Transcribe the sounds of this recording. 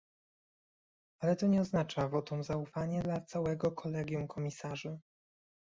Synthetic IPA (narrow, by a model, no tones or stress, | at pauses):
alɛt̪ɔɲɛɔznat͡ʂavɔt̪ɔ̃mzaufaɲɛd̪lat̪sawɛɡɔkʰɔlɛɡʲjumkʰɔmʲisaʐɘ